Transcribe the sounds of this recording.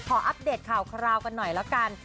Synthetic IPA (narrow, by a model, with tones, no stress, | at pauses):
kʰɔː˨˧˦ʔa˦˥p̚deː˨˩t̪̚kʰaː˨˩wkʰa˧ɾaː˧wka˧nːɔ˨˩jlɛ˦˥ka˧n